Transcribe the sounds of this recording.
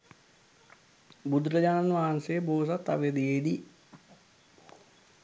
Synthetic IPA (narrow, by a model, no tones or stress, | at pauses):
bud̪ɾəd͡ʑaːnanʋaːnseːboːs̬at̪ːa̰ʋed̪iedi